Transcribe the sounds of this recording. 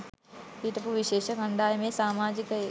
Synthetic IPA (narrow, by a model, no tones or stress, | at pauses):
iʈ̪ɐpuʋɪʃeːʃəkɐ̃ɳɖ̪aːjmẽsaːmaːd͡ʒɪk